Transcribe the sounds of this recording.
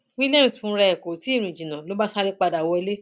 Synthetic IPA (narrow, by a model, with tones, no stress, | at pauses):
wi˦lɛ̃˦˨sfũ˧˦˧ɾɛ˧ɛ˨ko˨ti˦˨nũ˨ĩ˨d͡ʒĩ˨nã˨lo˨˦ba˦sa˧ɾe˦k͡pa˧da˨wɔ˧e˧˦le˦